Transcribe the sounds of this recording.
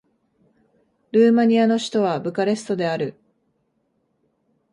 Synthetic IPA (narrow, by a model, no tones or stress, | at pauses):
ɾɯːmaɲ̟iano̞ɕi̥t̪o̞β̞abɯ̟kaɾe̞sɨ̥t̪o̞d̪e̞aɾɯ̟